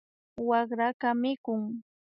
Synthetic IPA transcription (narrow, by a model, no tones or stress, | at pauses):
wɑχɾakamɪkʊŋ